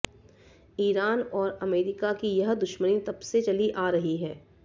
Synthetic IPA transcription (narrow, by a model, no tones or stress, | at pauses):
iːɾaːnɔːɾɐmeːɾɪkakijɐɦd̪ʊʃmənit̪ɐbset͡ʃɐliʔaːɾɐɦiɦɛː